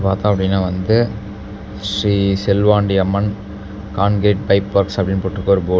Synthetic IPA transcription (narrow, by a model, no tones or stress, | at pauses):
paːɾt̪ãːɐpːɐɽɪnːaːʋɐnd̪ɯ | ʂɾiːsɛlʋaːɳɖiɐmːɐn | kaːɳɡeːʈ̚pɐɪpːʋɐɾksɐpɐɽɪnːɯpoːʈːɯkːoːɾɯboː